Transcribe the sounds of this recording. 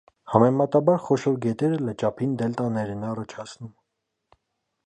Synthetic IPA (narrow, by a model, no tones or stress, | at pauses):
hɑmɛmɑt̪ɑbɑɾχɔʃɔɾɡɛt̪ɛɾələt͡ʃɑpʰind̪ɛlt̪ɑnɛɾɛnɑrɑt͡ʃʰɑt͡sʰnum